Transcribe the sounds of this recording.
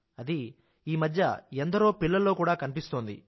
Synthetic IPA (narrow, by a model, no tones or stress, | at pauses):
ɐd̪i | iːmɐd̪ʱjɐ̰end̪ɐɾo̞ːpilːɐlːo̞ːkuːɽaːkɐnipist̪o̞ːnd̪ḭ